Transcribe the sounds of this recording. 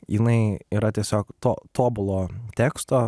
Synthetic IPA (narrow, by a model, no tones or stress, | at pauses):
jɪnɐɪiːɾɐt̪ʲiɛsʲoːkt̪oːt̪oːbʊlˠoːt̪ʲɛːkst̪oː